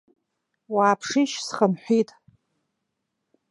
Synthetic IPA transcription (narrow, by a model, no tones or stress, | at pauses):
waːpʰʂiʃsχəmħʷitʼ